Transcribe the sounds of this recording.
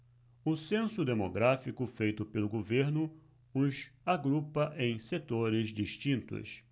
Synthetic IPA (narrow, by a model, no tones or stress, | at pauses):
ʊsẽsʊd̪emo̰ɡɾafikʊfejt̪ʊpelʊɡoveɾnʊ | ʊzaɡɾupɐʔẽj̃set̪oɾɪzd͡ʒiʃt͡ʃĩnt̪ʊ̰s